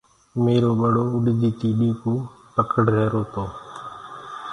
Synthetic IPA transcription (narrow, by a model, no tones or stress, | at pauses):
meːɾoːɓəɽoːʊɗd͡ʒiːt̪iːɗiːkuː | pəkəɽɾɛːɾoːt̪oː